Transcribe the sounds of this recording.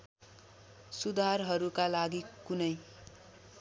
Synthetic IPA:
sud̪ʱarɦʌɾukalaɡikunʌj

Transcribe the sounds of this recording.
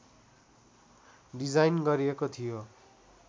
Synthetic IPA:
ɖid͡zajnɡʌɾiekot̪ʰijo

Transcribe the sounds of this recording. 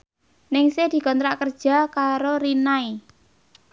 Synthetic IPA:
nɪŋsed̪̥i̤kɔnt̪ɾaʔkərd̥ʒ̥a̤kaɾoɾinai

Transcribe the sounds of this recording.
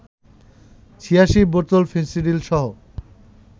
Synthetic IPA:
t͡ɕʰiaʃiboɾt̪olfinsiɖilʃɔɦo

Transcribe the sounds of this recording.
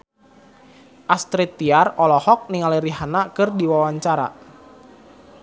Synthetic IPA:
ʔast̪ɾit̪ːiarɔlɔhɔk̚niŋaliɾiɦanakɨrdiwawaɲt͡ʃaɾa̰

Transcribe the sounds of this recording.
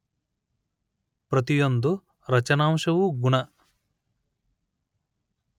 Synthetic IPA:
pɾɐt̪ijond̪u | ɾɐt͡ʃɐnaːmʃɐwuɡuɳɐ

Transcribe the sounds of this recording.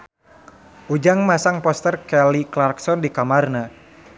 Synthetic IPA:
ʔud͡ʒaŋmasaŋpɔst̪ərkɛliklarksɔndikamarna

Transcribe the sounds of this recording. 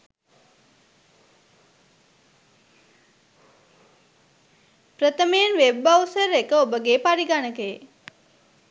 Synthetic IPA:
pɾət̪əmejənʋebausəɾekəobəɡeːpaɾiɡanəkəje

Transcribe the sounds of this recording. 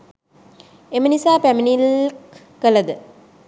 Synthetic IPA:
emənisaːpæminilk | kəlɐd̪ɨ

